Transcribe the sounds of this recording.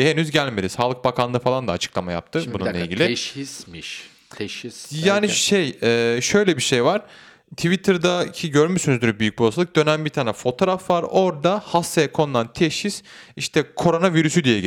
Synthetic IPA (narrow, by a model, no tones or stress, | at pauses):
henyzɟælʲmed̪isaːlˠɯk̚bakʰanːˠɯfalˠand̪aːt͡ʃʰɯ̥klˠamaja̰p̚t̪ʰɯbununˠeilʲɟilʲɪ | ʃʰ | jaːniʃejɛːʃø̞jlʲɛbiʃejvaɾ̥ | t̪ʰivit̪ʰɯɾd̪acʰiɟøɾmysynyzd̪yɾbyjyc̚ʲbolˠsalˠɯk̚d̪ø̞næmbit̪ʰaːnɛfo̞t̪ʰo̞ɾafvaɾo̞ɾd̪ahasajɛkʰo̞nulˠant̪ʰeʃhisiʃt̪ʰɛkʰo̞ɾo̞naviɾysyd̪ijɛɟ